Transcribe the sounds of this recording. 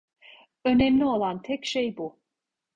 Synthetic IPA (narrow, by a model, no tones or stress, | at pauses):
ø̞nɛmlʲio̞lˠant̪ʰɛcʃejbu